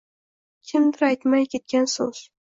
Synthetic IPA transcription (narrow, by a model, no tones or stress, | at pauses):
kʲʰɪmd̪ɪɾajt̪majkʲʰe̞t̪̚kʲansoz̥